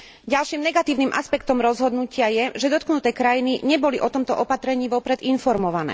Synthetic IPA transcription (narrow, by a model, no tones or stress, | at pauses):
ɟalʃiːmnɛɡat̪iːʊniːmʔa̰spɛkt̪ɔmɾɔzɦɔd̪nucɪajɛʒɛd̪ɔt̪̚knut̪ɛːkɾajiniɲɛbɔliʔɔt̪ɔmt̪ɔʔɔpat̪ɾɛɲiːʋɔpɾɛd̪infɔɾmɔʋanɛ̰ː